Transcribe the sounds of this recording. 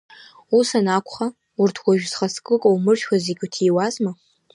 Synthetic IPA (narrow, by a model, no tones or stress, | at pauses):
usanakʷʰʼχa | ʊrtʰɡʷaʒᶣzχaskʼɨkʼowmɨrʃʷazeɡʲutʰiːwazʼma